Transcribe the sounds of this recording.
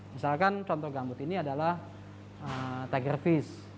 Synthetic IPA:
misalkant͡ʃɔnt̪ɔhɡambʊt̪iniadalah | ət̪aɡərfɪs

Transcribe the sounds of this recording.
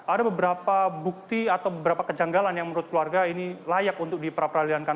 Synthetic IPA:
adabəbəɾapabuk̚t̪iat̪awbəbəɾapakəd͡ʒaŋɡalanjaŋmənɾuʊt̪̚kəluarɡainilajakunt̪ʊk̚dipəɾapəɾaliankan

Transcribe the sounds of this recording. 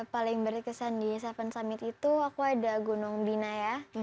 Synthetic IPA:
palɪŋbərɾkəsandisafansamɪt̪it̪uakuadaɡonɔŋbinaja

